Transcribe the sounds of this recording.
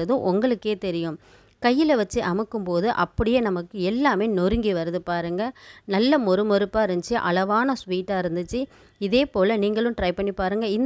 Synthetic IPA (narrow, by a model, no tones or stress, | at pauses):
ɐðɯ̃ʔɔŋɡɐɭɯkːeːt̪ɛɾɪjɯ̃m | kɐjːɪlɐʋɐt͡ʃːɯʔɐmɯkːɯmpoːðɯʔɐpːɐɽɪjeːnɐmɐkːɯɛlːaːmeːnɔɾɯŋɡiʋɐɾɐðɯpaːɾɯŋɡɐnɐlːɐmɔɾɯmɔɾɯpːaːɪɾɯnd̪t͡ʃːɯʔɐ̰ɭɐʋaːnɐsʋiːʈːaːɪɾɯnd̪ɯt͡ʃːɯ | ɪðeːpoːlɐniːŋɡɐɭɯ̃mʈɾɐɪpɐɳːipaːɾɯŋɡɐɪn